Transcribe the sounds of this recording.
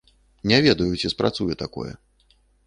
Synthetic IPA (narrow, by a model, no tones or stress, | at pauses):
nʲɛvʲɛd̪ɐjut͡sʲɛspɾat̪sujɛt̪akɔ̰jɛ̰